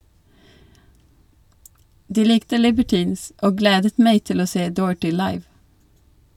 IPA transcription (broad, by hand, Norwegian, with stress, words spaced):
ˈdiː ˈlɪktə lɪbəˈʈiːns ˈoː ˈɡleːdət ˈmæɪ ˈtɪl ˈoː ˈseː ˈdoːɹ̩ʈɪ ˈlɑɪʋ